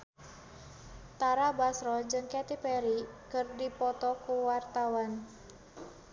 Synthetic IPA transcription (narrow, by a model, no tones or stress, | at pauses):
t̪aɾabasɾɔd͡ʒɨŋkɛt̪ipɛɾikərdipɔt̪ɔkuwart̪awan